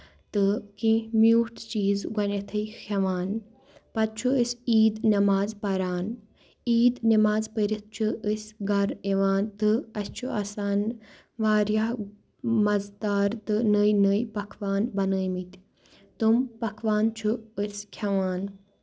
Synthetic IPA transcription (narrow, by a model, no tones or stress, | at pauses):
t̪ɨkĩmjuːʈt͡ʃiːzɡɐnɐt̪ʰɨixʲʰɐʋaːn | pɐd̪̚t͡ʃʰuəsiːd̪nɐmaːzpɐɾaːn | iːd̪nɐmaːzpəɾit̪̚ʰt͡ʃʰuəsʲɡɐɾeʋaːnt̪ɨɐst͡ʃʰuasaːn | ʋaːɾja | mɐzd̪aːɾt̪ɨnəjnəjpɐkʰʋaːnbɐnəːjmit̪ʲ | t̪umpɐkʰʋaːnt͡ʃʰuəskʰɐʋaːn